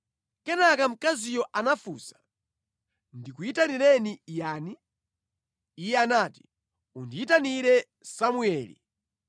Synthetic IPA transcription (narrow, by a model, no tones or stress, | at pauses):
kɛnakam̩kazijɔʔanafṵːsḁ | ndikuitanilɛnijaːni | jɛanati̥ | undiitaniɾɛ | samuɛːlḭ